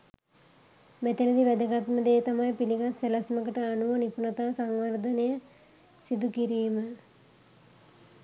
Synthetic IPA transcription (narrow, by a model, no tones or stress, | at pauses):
mɛt̪enəd̪iʋæd̪əɡat̪məd̪eːt̪amajpiliɡaselasməkəʈəanuʋənipunat̪aːsaŋʋərd̪ənəjə | sid̪ukiɾiːmə